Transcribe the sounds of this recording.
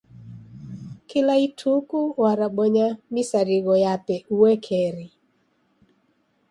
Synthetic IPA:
kɪlaitʰukuwaɾaɓɔɲamisaɾiɣɔjapɛuwɛkʰɛɾi

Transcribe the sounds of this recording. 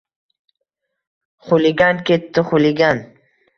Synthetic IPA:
χʊlɪɡʲankʲet̪ːɪχʊlɪɡʲan

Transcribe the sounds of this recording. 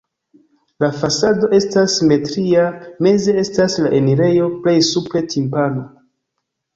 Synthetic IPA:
lafasado̞ʔe̞stasme̞tɾiame̞zee̞staslaʔe̞niɾe̞jo̞ple̞jsupɾe̞tʰimpano

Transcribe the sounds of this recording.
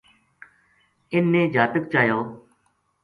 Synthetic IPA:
ɪnːẽːd͡ʒaːp̪ək̚t͡ʃaːjoː

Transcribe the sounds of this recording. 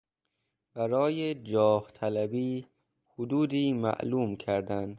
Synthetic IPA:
b̥æɾɒːjed͡ʒɒːht̪ʰælæbiː | hod̪uːd̪iːmæ̰ʔluːmkʰæɾd̪æn

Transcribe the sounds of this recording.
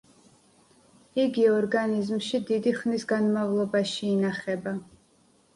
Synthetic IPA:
iɡiɔɾɡanizmʃid̪id̪iχnisɡanmavlˠɔbaʃiːnaχɛba

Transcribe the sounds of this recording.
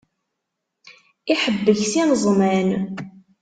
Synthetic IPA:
iħəbːəçsinəzˤmæn

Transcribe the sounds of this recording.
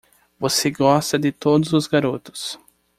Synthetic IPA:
voseɡɔst̪ɐd̪ɪt̪od̪ʊzʊzɡaɾot̪ʊ̥s

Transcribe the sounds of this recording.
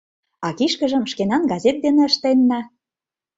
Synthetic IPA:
ɑkiʃkə̆ʒə̆mʃkenɑnɡɑzʲet̪̚d̪enĕə̆ʃt̪enːɑ

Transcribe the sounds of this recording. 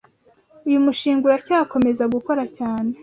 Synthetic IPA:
ujumuʃiːŋɡuɾacaːko̞me̞zaɡuko̞ɾacaːne̞

